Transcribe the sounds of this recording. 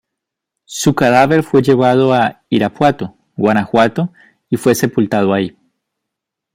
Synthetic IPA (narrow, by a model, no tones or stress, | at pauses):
sukaðaβe̞ɾfwe̞ʝe̞βað̞o̞aiɾapwat̪o | ɡwanaxwat̪o | ifwe̞se̞pult̪að̞oai